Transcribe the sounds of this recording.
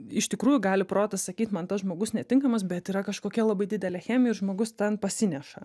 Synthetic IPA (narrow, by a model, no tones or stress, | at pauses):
ɪʃt̪ʲɪkɾuːjʊɡɑːlʲɪpɾoːt̪ɐssɐkʲiːt̪mɐnt̪ɐsʒmoːɡʊsnʲɛt̪ʲɪŋkɐmɐsbʲɛt̪iːɾɐkɐʃkoːkʲɛlˠɐbɐɪdʲɪd̪ʲɛlʲeːxʲæːmʲɛɪɾʒmoːɡʊst̪ʲɛnpɐsʲɪnʲɛʃɐ